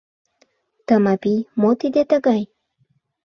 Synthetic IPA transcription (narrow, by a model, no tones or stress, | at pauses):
t̪əmɑpijmot̪id̪et̪ə̆ɣɑj